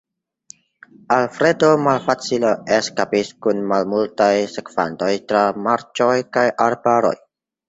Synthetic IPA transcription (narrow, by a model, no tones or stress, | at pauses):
alfɾe̞domalfat͡sileeskapiskunmalmultajsekfa̰nto̞jtɾamaɾt͡ʃojkajʔaɾbaɾo̰j